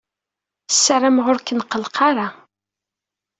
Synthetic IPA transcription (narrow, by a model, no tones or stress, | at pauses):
sːaɾamʁʊɾkːənqəlqʰɑɾa